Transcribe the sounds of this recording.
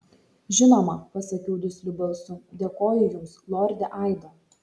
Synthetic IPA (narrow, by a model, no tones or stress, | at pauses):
ʒʲɪnɔmɐpɐsɐkʲɛʊd̪ʲɪsʲlʲʊbɛlˠsʊd̪ʲeːkoːjʊjʊmslˠɔːɾʲd̪ʲɛʔɑˑɪd̪o